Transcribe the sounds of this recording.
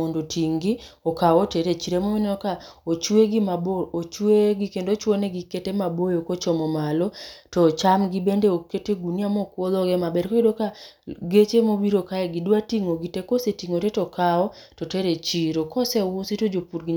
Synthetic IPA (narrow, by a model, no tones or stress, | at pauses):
ondotʰiŋɡiɔkawɔteɾet͡ʃiɾemominɛɔkaot͡ʃweɡimaboot͡ʃweɡikendot͡ʃwoneɡiketemabojokot͡ʃɔmɔmalɔtɔt͡ʃamɡibendeoketeɡuniamɔkwolɔɡɛmabɛɾkɔkedokaɡet͡ʃemobiɾokaɛɡidwatiŋoɡitekosetiŋotetɔkaɔtɔteɾet͡ʃiɾokɔsɛwusitod͡ʒopuɾɡi